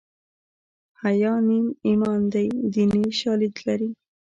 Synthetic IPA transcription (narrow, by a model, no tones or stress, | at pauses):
hajɑnimimɑnd̪ajd̪iniʃɑlid̪laɾi